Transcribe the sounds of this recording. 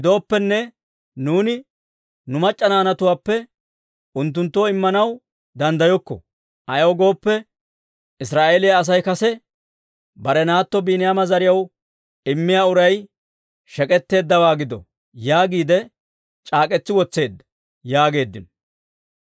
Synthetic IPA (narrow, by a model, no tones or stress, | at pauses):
hɪd̪o̞ːpːɛnːɛ | nuːnɪ | nʊmɐt͡ʃʼːɐnaːnɐt̪ʊwaːpːɛ | ʔʊnt̪̬ːʊnt̪ːoːɪmːɐnɐw | d̪ɐnd̪ɐjɔkːɔ̰ | ʔɐjɐwɡo̞ːpːɛ | ɪsɾaːʔe̞ːlɪjaːs̬ɐjkɐsɛ | bɐɾɛnaːt̪ːɔbiːnɪjaːmɐzɐɾɪjɐw | ɪmːɪjaːʊɾɐj | ʃɛkʼɛt̪ːe̞ːd̪ːɐwaːɡɪd̪ɔ̰ | jaːɡiːd̪ɛ | t͡ʃʼaːkʼɛt͡sːɪwɔt͡sːe̞ːd̪ːɐ̥ | jaːɡe̞ːd̪ːɪn